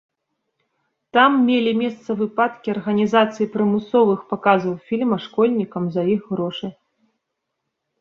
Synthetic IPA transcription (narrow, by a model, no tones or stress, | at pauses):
t̪amːʲelʲimʲɛst̪sɐvɨpat̪kʲiɐrɣɐnʲizat̪sɨjipɾɨmɨsɔvɨxpakazɐwfʲilʲmɐʂkɔlʲnʲikɐmzɐiɣɣɾɔʂɨ